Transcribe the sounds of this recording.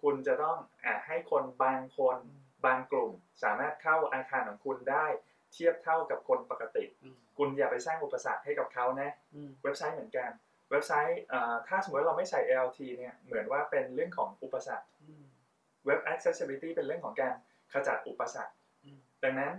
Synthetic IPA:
kʰu˧nt͡ɕa˨˩t̪ɔ˥˩ŋʔaː˨˩ha˥˩jkʰo˧nbaː˧ŋkʰo˧n | baː˧ŋklu˨˩m | saː˩˦maː˥˩t̪̚kʰa˥˩wʔa˧kʰaː˧nkʰɔː˩˦ŋkʰu˧ndaː˥˩j | t̪ʰi˥˩əp̚t̪ʰa˥˩wka˨˩p̚kʰo˧npa˨˩ka˧t̪i˨˩ʔ | kʰu˧njaː˨˩pa˧jsaː˥˩ŋʔu˨˩pːa˧sa̰˨˩k̚ha˥˩jka˨˩p̚kʰa˦˥wna˦˥we˦˥p̚sa˦˥jmɯ˩˦ənka˧n | we˦˥p̚sa˦˥jʔəː˨˩t̪ʰaː˥˩so˨˩˦w̚a˥ɾa˧ma˥˩jt͡ɕʰa˧˩jʔɛ˧ʔwt̪ʰiː˧ni˥˩ɐmɯ˩˦nwaː˥˩pe˧nɾɯ˥˩əŋkʰɔː˩˦ŋʔu˨˩pːa˧sa˨˩k̚ | we˦˥p̚ʔɛ˦˥k̚se˦˥se˧li˧t̪iː˥˩pe˧nɾɯ˥˩əŋkʰɔː˩˦ŋkaː˧n | kʰa˧t͡ɕa̰˨˩t̪̚ʔu˨˩pːa˧sa̰˨˩k̚ | da˧˩ŋna˦˥n

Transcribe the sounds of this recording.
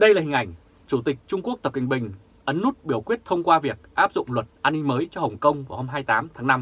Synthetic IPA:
ɗə˧jlaː˨˩i˨˩ŋʔa˧˩jŋ̟ | t͡ɕu˧˩t̪ï˨˩k̟̚t͡ɕʊ˧ŋ͡mku˦˥ək̚t̪ə˨˩p̚kï˨˩ŋ̟ɓï˨˩ŋ̟ | ʔə˨˦nːu˦˥t̚ɓi˨˧˩əwkwi˦˥ət̚t̪ʰə˧wŋ͡mkwaː˧vi˨˩ək̚ʔaː˦˥p̚zʊ̰˧˨ŋ͡mlwə˨˩t̚ʔaː˧nːï˧ŋ̟məː˨˦jt͡ɕɔ˧hə˨˩wŋ͡mkə˧wŋ͡mvaː˨˩ho˧mɦaː˧jt̪aː˨˦mt̪ʰaː˨˦ŋna˧m

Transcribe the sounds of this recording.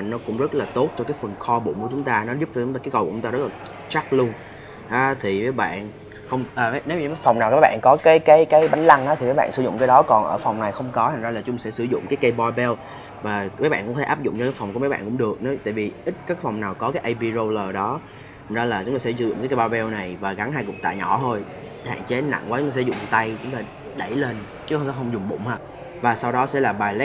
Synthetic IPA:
a˨˩nɔ˨˦kʊ̰˧˥ŋ͡mzə˦˥t̚laː˨˩t̪o˦˥t̚t͡ɕɔ˧kaː˨˦jfə˨˩nxɔ˧ɓṵ˧˨nku˧˩ət͡ɕʊ˨˦ŋ͡mt̪aː˧nɔ˨˦zʊ˦˥p̚t͡ɕɔ˧˦aː˧kːaː˨˦kə˧˩wʊ˨˦ŋ͡mt̪a˧z̚laː˨˩ | t͡ɕa˦˥k̚lu˧ən | ʔaː˨˦t̪ʰi˨˩vəː˨˦jɓa̰ː˧˨n | xə˧wŋ͡mʔəː˨˩a˨˦ne˨˦wɲi˨˩˦jfa˨˩wŋ͡mnaː˨˩wkaː˨˦jɓa̰ː˧˨nkɔ˨˦kaː˨˦jkaː˨˦jkaː˨˦jɓa˨˦ŋla˧ŋʔaː˦t̪ʰi˨˩mə˨˦jɓa̰ː˧˨nsɨ˧˩zʊ̰˧˨ŋ͡mkaː˨˦jɗɔ˨˦kɔ˨˩nʔəː˧˩fɔ˨˩wŋ͡mna˨˩jxə˧wŋ͡mkɔ˨˦t̪ʰa˨˩ŋza˧laː˨˩t͡ɕʊ˨˦ŋ͡msɛ̰˧˥sɨ˧˩zʊ̰˧˨ŋ͡mkaː˨˦jka˧˦jɓɔ˧ɓɛ˧w | vaː˨˩mə˨˦ɓaː˧˨nkʊ̰˧˥t̪ʰe˧ʔaː˦˥p̚zʊ̰˧˨ŋ͡mt͡ɕɔ˧kːfɔ˨˩wŋ͡mku˧˩mə˨˦jɓa̰ː˧˨ŋkʊ̰˧˥ŋ͡mɗɨ˨˩ək̚nɔ˨˦jt̪a̰ː˧˨jvi˨˩ʔï˦˥t̚kaː˨˦˥fwŋ͡mnaː˨˩wkɔ˨˦kaː˨˦jʔə˧jɓi˧zo˧ləː˨˩ɗɔ˨˦ | tt̪ʰa˨˩ŋzaː˧laː˨˩t͡ɕʊ˨˦ŋ͡mt̪aː˧sɛ̰˧˥sɨ˧˩zʊ̰˧˨ŋ͡mka˨˦kə˧ɓɔ˧ɓɛ˧wna˨˩jvaː˨˩ɣa˨˦ŋɦaː˧jkʊ˨˩k͡p̚t̪a̰ː˧˨jɲɔ˧˩t̪ʰo˧j | ha̰ː˧˨nt͡ɕe˨˦na̰˧˨ŋvəː˨˦t͡ɕʊ˦t̪aː˧szʊ̰˧˨ŋ͡mt̪a˧jt͡ɕʊ˨˦ŋ͡mt̪aː˧˩ | ɗə˧˩jle˧n | t͡ɕɨ˦˥xə˧wt̪a˨˦xə˧wŋ͡mzʊ˨˩ŋ͡mɓʊ̰˧˨ŋ͡mhaː˧˩ | vaː˨˩sa˧wɗɔ˨˦sɛ̰˧˥laː˨˩ɓaː˨˩jl

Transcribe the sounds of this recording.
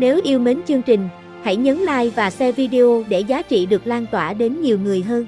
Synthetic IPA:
ne˨˦wʔi˧əwme˨˦nt͡ɕɨ˧əŋt͡ɕï˨˩ŋ̟ | ha˧˩jɲə˨˦nla̰ː˧˨jvaː˨˩sɛ˧vi˧ɗe˧ʔo˧ɗe˧˩zaː˨˦t͡ɕḭ˧˨ɗɨ˨˩ək̚laː˧nt̪waː˧˩ɗe˨˦nɲi˨˩əwŋɨ˨˩əjɦəː˧n

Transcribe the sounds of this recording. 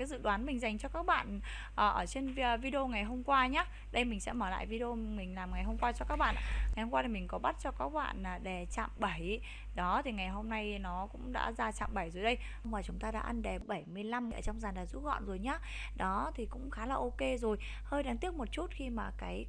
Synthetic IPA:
kaː˨˦jzɨ̰˧˨ɗwaː˨˦nmï˨˩ŋ̟za˨˩jŋ̟t͡ɕɔ˧kaː˦˥k̚ɓa̰ː˧˨n | ʔəː˨˩ʔəː˧˩t͡ɕe˧nvvi˧ɗe˧o˧ŋa˨˩jɦo˧mkwaː˧ɲaː˨˦ | ɗə˧jmï˨˩ŋ̟sɛ̰˧˥məː˧˩la̰ː˧˨jvi˧ɗo˧mï˨˩ŋ̟laː˨˩mŋa˨˩jɦo˧mŋ͡mkwaː˧t͡ɕɔ˧kaː˦˥k̚ɓa̰ː˧˨ʔaː˧˩ŋa˨˩jho˧ŋ͡mkwaː˧t̪i˨˩mï˨˩ŋ̟kɔ˨˦ɓa˦˥t̚t͡ɕɔ˧kaː˦˥k̚ɓa̰ː˧˨naː˨˩ɗɛ˨˩t͡ɕa̰ː˧˨mɓa˧˩j | ɗɔ˨˦t̪ʰi˨˩ŋa˨˩jɦo˧mna˧jnɔ˨˦kʊ̰˧˥ŋ͡mɗa̰ː˧˥zaː˧t͡ɕa̰ː˧˨mɓa˧˩jzo˨˩˦jɗə˧jwmaː˨˩t͡ɕʊ˨˦ŋ͡mt̪aː˧ɗa̰ː˧˥ʔa˧nɗɛ˨˩ɓə˧˩jmɨ˧əjla˧m˨ʔə̰ː˧˩t͡ɕɔ˧wŋ͡mzaː˨˩nɗaː˨˩zṵ˧˥ɣɔ̰˧˨nzo˨˩jɲaː˨˦ | ɗɔ˨˦t̪ʰi˨˩kʊ̰˧˥ŋ͡mxaː˨˦laː˨˩ʔo˧ke˧zo˨˩j | həː˧jɗaː˨˧ŋt̪i˦˥ək̚mo˨˩t̚t͡ɕu˦˥t̚xi˧maː˨˩kaː˨˦j

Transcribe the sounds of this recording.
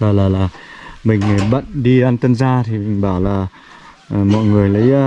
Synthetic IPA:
laː˨˩laː˨˩laː˨˩mï˨˩ŋ̟˨˩ɓə̰˧˨nɗi˧ʔa˧nt̪ə˧nzaː˧t̪ʰi˨˩ï˨˩ŋ̟ɓaː˧˩wlaː˨˩˨ | mɔ̰˧˨jŋɨ˨˩əjlə˨˦j

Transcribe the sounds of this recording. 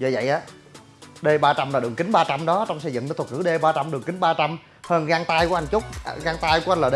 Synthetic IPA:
zə̰˧˩və̰˧˨jʔaː˨˦ | ɗe˧ɓaː˧t͡ɕa˧mnaː˨˩ɗɨ˨˩əŋkï˨˦ŋ̟ɓaː˧t͡ɕa˧mɗɔ˨˦t͡ɕɔ˧wŋ͡msə˧zɨ̰˧˨ŋnəː˨˦t̪̚ʰkɨ˧˩ɗe˧ɓaː˧t͡ɕa˧mɗɨ˨˩əŋki˨˦ŋ̟ɓaː˧t͡ɕa˧m | həː˧nɣaː˧ŋt̪aː˧jku˧˦ʔa˧˩jnt͡ɕʊ˦˥k͡p̚ɣaː˧ŋt̪aː˧jku˧˦ʔa˧nlaː˨˩ɗe˧

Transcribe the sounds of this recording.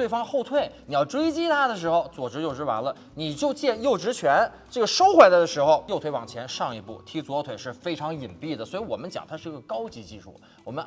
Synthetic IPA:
we˥˩ɪfɑ˥ŋxo˥˧ʊt̪ʰwe˥˩ɪni˨˩jɑ˥˩ʊʈ͡ʂwe˥ɪt͡ɕi˥t̪ʰa˥d̪ə˨ʂ̬ɻ̩˧˥xo˧ʊt͡swɔ˨˩ʈ͡ʂɻ̩˧˥jo˥˩ʈ͡ʂɻ̩˧˥wa̰˧˥nlə˧ | ni˨˩t͡ɕjo˥˧ʊt͡ɕjɛ˥˧jo˥˩ʊʈ͡ʂɻ̩˧˥t͡ɕʰɥɛ˧˥n | ʈ͡ʂɤ˥˩ɡə˩ʂo˥ʊxwe˥˩ɪt͡sa˥˩d̪ə˩ʂɻ̩˧˥xo˧ʊjo˥˧t̪ʰwe˥ɪwɑ˨˩ŋt͡ɕʰjɛ˧˥nʂɑ˥˩ŋi˧˥pṵ˥˩t̪ʰi˧˥t͡swt̪ʰwe˨˩ɪʂɻ̩˥˩fe˥ɪʈ͡ʂʰɑ˧˥ŋi˨˩npi˥˩d̪ə˩swɔ˧˥i˧˥wɔ˨˩mə˦nt͡ɕjɑ̰˨˩ŋt̪ʰa˥ʂɻ̩˥˩i˧˥ɡə˧kɑ˥ʊt͡ɕi˧˥t͡ɕi˥˧ʂṵ˥˩ | wɔ˨˩mə˦n

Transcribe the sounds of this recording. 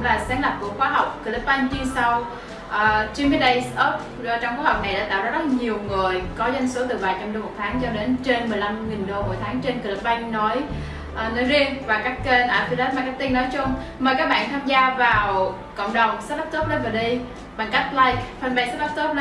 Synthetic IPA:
laː˨˩saː˨˦nla˨˩p̚ku˧˩əxwaː˧˦ɦa˨˩wk͡p̚ki˧˩lə˨˦˥p̚ɓa˧jŋ̟t͡ɕi˧sa˧w | ʔəː˨˩t͡ɕi˧mvə˨˦˥ɗə˧jsʔo˦˥p̚ː | t͡ɕɔ˧ŋ͡mkhɦɔ˨˩k͡p̚na˨˩jɗa̰ː˧˥t̪a̰ː˧˨wzaː˧˥zə˦˥t̚ɲi˨˩əwŋɨ˨˩əjkɔ˨˦za˧jŋ̟so˨˦t̪ɨ˨˩ɓaː˨˩t͡ɕa˧mɗo˧mo˨˩t̪ʰaː˨˦ŋt͡ɕɔ˧ɗe˨˦nt͡ɕe˧nmɨ˨˩əjla˧mŋi˨˩ŋ̟ɗo˧mo̰˧˩˨jt̪ʰaː˨˦ŋt͡ɕe˧nkɨ˧˨˩lə˨˦˥p̚ɓa˧jŋ̟nɔ˨˦j | ʔə˨˩nɔ˨˦jzi˧ənvaː˨˩kaː˦˥kːe˧nʔaː˧fi˧zɛ˦˥t̚maː˨˩kaː˦˥k̚t̪i˧nːɔ˨˦jt͡ɕʊ˨˧ŋ͡mməː˨˩kaː˦˥k̚ɓa̰ː˧˨nt̪ʰaː˧mzaː˧vaː˨˩w | kə̰˧˨wŋ͡mɗə˨˩wŋ͡msa˦˥t̚la˦˥p̚t̪o˦˥p̚ɗə˨˦vaː˨˩ɗi˧j | ɓa˨˩ŋka˦˥jk̟̚la˧jk̚fʰa˧˩nɓa˧jst̚la˦˥p̚t̪o˦˥˧

